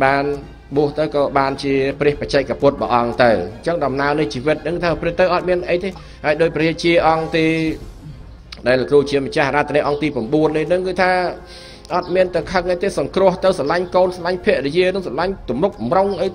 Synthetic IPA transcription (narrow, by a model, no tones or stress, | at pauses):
ɓaːn | ɓuəht̪ɨwkɑːɓaːnt͡ɕiəprɛ̆əhpəc̚t͡ɕaɛk̚kapʊ̆t̪̚ɓɑ̰ːʔɑŋt̪ɨwɲt͡ɕəŋɗɑmnaənɨht͡ɕiːʋɨt̪̚nɨŋkɨːt̪ʰaːprɾiəht̪ɨwʔɑt̪̚miənʔəjt̪eː | haəjɗoːc̚prɛət͡ɕiəʔɑŋt̪eː | ɗaɛlːəkruːt͡ɕiəmət͡ɕahaɾat̪ʰːniəʔɑŋt̪iːprɑmɓuənːihnɨŋkɨːt̪ʰaː | ʔɑt̪̚miənt̪ɨwkʰəŋʔəjt̪eːsɑŋkrʊ̆əht̪ɨwsɑlaɲkoːnsɑlaɲpʰiəʔɗəjiənɨŋsɑlaɲt̪umruk̚mroŋʔəj